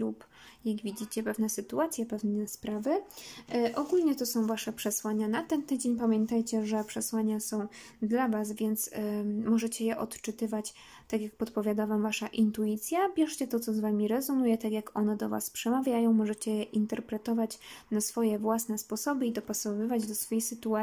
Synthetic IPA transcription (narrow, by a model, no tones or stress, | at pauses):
lup | jaɡvʲid͡ʑit͡ɕɛpɛvnɛsɘt̪uat̪sʲjɛpɛvnɛspɾavɘ | ʔɔɡulɲɛt̪ɔsɔ̃w̃vaʂɛpʂɛswaɲanat̪ɛnt̪ɘd͡ʑeɲpamʲjɛnt̪ajt͡ɕɛʐɛpʂɛswaɲasɔ̃w̃ | d̪lavasvʲjɛnt̪smɔʐɛt͡ɕɛjɛʔɔt̪t͡ʂɘt̪ɘvat͡ɕ | t̪akʲjak̚pɔt̪pɔvʲjad̪avamvaʂaʔint̪uit̪sʲjabʲjɛʂt͡ɕɛt̪ɔt̪sɔzvamʲiɾɛzunujɛt̪akjakɔnɛd̪ɔva̰spʂɛmavʲjajɔ̃w̃mɔʐɛt͡ɕɛjɛʔint̪ɛɾpɾɛt̪ɔvat͡ɕnasfɔjɛvwasnɛspɔsɔbɘid̪ɔpasɔvɘvad͡ʑd̪ɔsfɔjejsɘt̪ua